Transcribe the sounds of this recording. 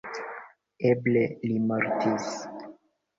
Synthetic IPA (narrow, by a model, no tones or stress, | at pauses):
eblelimoɾtis